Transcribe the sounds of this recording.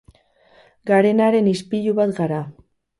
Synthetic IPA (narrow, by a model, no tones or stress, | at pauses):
ɡaɾe̞naɾe̞nispiʎuβat̪ɡaɾa